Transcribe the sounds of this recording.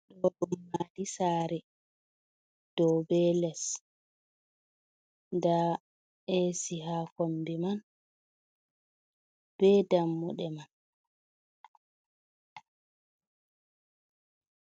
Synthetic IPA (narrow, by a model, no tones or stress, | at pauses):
ɗɔɗumːadisaːɾɛ | d̥ɔbɛlɛs | da | esiɦaːkombiman | b̥ɛdamːuɗɛman